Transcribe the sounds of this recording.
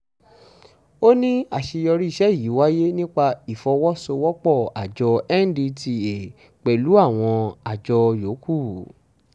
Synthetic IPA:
o˦nĩ˦a˦˨ʃi˧jɔ˧ɾi˦i˦˧ʃɛ˦i˨ji˨˦wa˦je˦nĩ˦k͡pa˧i˨fɔ˧wɔ˦so˧wɔ˦k͡pɔ˦˨a˨d͡ʒɔ˧ɛ˦n˦di˧ti˧˨e˨ | k͡pɛ˨lu˨˦a˦˨w̃ɔ̃˧a˨d͡ʒɔ˧jo˨˦kʰu˦˨

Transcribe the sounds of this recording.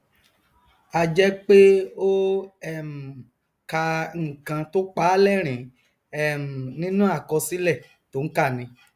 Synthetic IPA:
a˨d͡ʒɛ˦k͡pe˦o˦ɛ˦˨m̩˨ | ka˧ŋ̩˨kã˧to˦k͡pa˦lɛ˦˨ɾ̃ĩ˨˦ | ɛ˦˨m̩˨nĩ˦nũ˦a˦˨kɔ˧si˦lɛ˦˨ | to˨˦ŋ̩˦ka˦˨nĩ˧˦

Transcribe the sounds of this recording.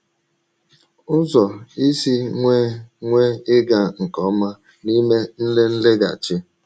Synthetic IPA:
ʊ˦zɔ˨i˦si˦ŋʷe˦ŋʷe˦ɪ˦ɡa˨ŋ̩˨kɔ˦ma˦ | ni˦me˦n̩˦le˦n̩˦le˦ɡa̰˨t͡ʃɪ˦

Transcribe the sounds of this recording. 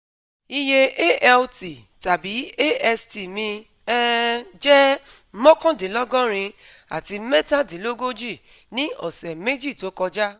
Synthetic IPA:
i˧je˧e˦ʔɛ˧lti˨ | ta˨bi˨˦e˦ɛ˧sti˨mĩ˧ | ɛ˦d͡ʒɛ˦ | mɔ̃˦kɔ̃˦de˨˦lɔ˦ɡɔ̃˦ɾ̃ĩ˧ | a̰˨ti˧mɛ˦tã˦˨de˨˦lo˦ɡo˦d͡ʒi˦˨ | nĩ˦ɔ̰˨sɛ˨me˦d͡ʒi˦˨to˨˦kɔ˧d͡ʒa˦

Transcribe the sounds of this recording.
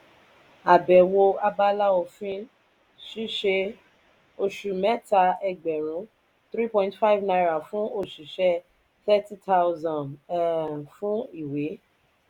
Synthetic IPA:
a˨bɛ˨wo˧a˧ba˧la˦o˧fĩ˦ | ʃi˦ʃe˧ | o˧ʃu˨mɛ˦ta˧ɛ˧˨ɡ͡bɛ˨ɾ̃ũ˨˦ | t̪ɾi˦pɔ̃˧ĩntfa˦jvnã˧ɾa˨fũ˦o˦˨ʃi˨ʃɛ˧ | θɛ˦ti˦ta˦uzã˨n | fũ˦i˦˨we˨˦

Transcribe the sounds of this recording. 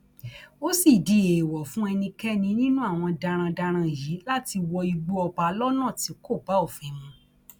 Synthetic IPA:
o˦si˦˨di˧˦e˨wɔ˨fũ˨˦ɛ˧nĩ˧kɛ˦nĩ˧nĩ˦nũ˦a˦˨w̃ɔ̃˧da˧ɾ̃ã˧da˧ɾ̃ã˧˨ji˨˦la˦ti˧wɔ˧i˧ɡ͡bo˧ɔ˧ba˧lɔ˦nã˦˨ti˨˦ko˦˨ba˨˦o˦˨fĩ˧˦mũ˧

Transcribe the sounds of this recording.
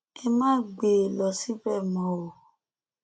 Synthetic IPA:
e˧mãː˦ɡ͡be˨lɔ˧˨si˦bɛ˦˨mɔ̃˨˦o˨

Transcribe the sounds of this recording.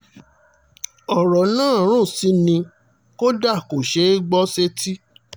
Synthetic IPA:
ɔ˨ɾɔ˨nãː˦˨ɾ̃ũ˦˨si˨˦nĩ˧ | ko˦da˦˨ko˨ʃe˨˦ɡ͡bɔ˦se˦ti˦

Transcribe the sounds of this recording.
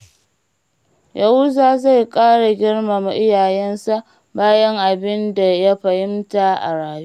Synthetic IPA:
jʔa˨hʊ˦zaː˨za˦˨jkʼaː˦ɽa˨ɡʲɪ˦rma˨m˨ʔɪ˦jaː˨jɛ˦nsa˦ʔ | baː˦jɐ˦ŋʔa˨bɪ˦nda˨ja˦ɸɐ˨hɪ˦mta˨ʔa̰˨ɽaː˨ju˦ʔ

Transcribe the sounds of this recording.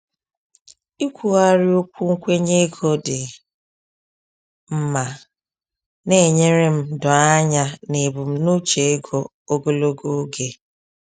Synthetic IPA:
i˦kʷu˨a˦ɾɪ˦o˦kʷu˦ŋ̩˦kʷe˦ɲe˦ɡʰo˦dɪ˨ | m̩˦ma˨ | ne˦˨ɲe˦ɾe˦m̩˦dɔ˨a˦ɲa˦ne˨bʊ˨m̩˦no˦t͡ʃe˨e˦ɡo˦ | o˦ɡo˦lo˦ɡo˦ɡe˦

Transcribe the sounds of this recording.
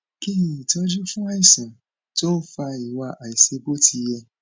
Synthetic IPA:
ki˦ĩ˨i˨tɔ˦d͡ʒu˦fũ˦a˦i˦˨sã˨ | to˦fa˧i˨wa˧ʔa˨i˨se˨˧bo˦tʰi˧jɛ˧

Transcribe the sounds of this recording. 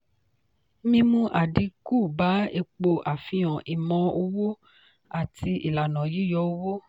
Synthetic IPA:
mĩ˧˦mũ˦ʔa˨di˧˦ku˦˨ba˨˦e˧k͡po˧ʔa˨fĩ˧ɔ̃˨ʔi˨mɔ̃˧o˧wo˦ | a˨ti˧ḭ˨la˨nã˨ji˨˦˨jɔ˧˦o˧˦wo˦

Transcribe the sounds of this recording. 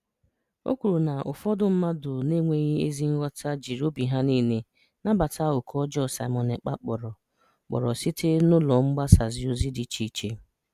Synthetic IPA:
o̰˦kʷu˨ɾu˨na˨ʔʊ˨fɔ˦dʊ˦m̩˦ma˦dʊ˨ne˦ŋʷe˦ɣi˦e˦zi˦ŋ̩˦ɣɔ˦tʰa˦d͡ʒi˨ɾo˦bi˨ɦa˦niː˦ne˦ | na˦ba˨ta˦ʊ˨kʰɔ˦d͡ʒɔ˦˨sa˨ɪ˨mɔ˨ne˨k͡pa̰˦k͡pɔ˨ɾɔ˨ | k͡pɔ̰˨ɾɔ˨si˦te˦nʊ˦lɔ˨ŋ͡m̩˦ɡ͡ba˦sa˨zɪ˨o˦zi˦di˨t͡ʃi˦˨t͡ʃe˦

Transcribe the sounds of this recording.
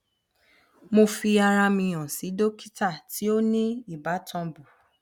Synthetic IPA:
mo˧fi˧a˧ɾa˧mĩ˧j̃ã˨si˨˦do˦ki̥˦ta˦˨tʰi˨˦o˦nĩ˦i˦˨ba˨˦tʰɔ̃˧bu˨

